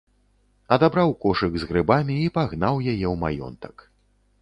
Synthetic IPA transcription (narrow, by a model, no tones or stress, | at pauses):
ɐd̪abɾawkɔʂɨɡzɣɾɨbamʲiːpaɣn̪awjajɛwma̰jɔ̰nt̪ɐ̥k